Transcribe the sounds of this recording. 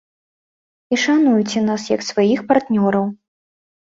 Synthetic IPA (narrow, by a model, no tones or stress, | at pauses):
iʂanujut͡sʲɛnasjɐ̰ksvajixpart̪nʲɔɾɐw